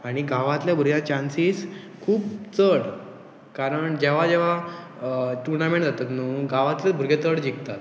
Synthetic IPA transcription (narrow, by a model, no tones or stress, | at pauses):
aɽ̃iɡaʋãt̪ljabʱuɾɡjat͡ɕãnsiːs | kʰuːpt͡səɽ | kaɾəɳd͡ʑeʋ̤ad͡ʑeʋ̤a | ʈuɾnamẽɳʈd͡zat̪at̪nuɡaʋãt̪ləbʱuɾɡet̪əɽd͡ʑikt̪at̪